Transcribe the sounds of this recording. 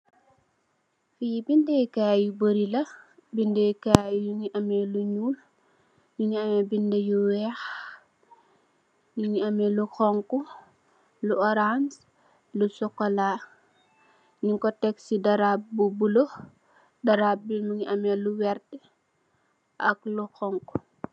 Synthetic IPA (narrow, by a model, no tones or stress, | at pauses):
fijibindejkajubəɾilɐ | bindekajjuŋiʔɐmɛluɲuːl | juɲiɐmɛbindejuwɛx | juɲiɐmɛluxɔŋku | luɔɾans | lusɔkːɔla | niŋkɔtɛksidɐɾap̚bubulo | dɐɾap̚bimuŋiʔɐmeluwɛɾtɛ | ʔɐkluxɔŋku̥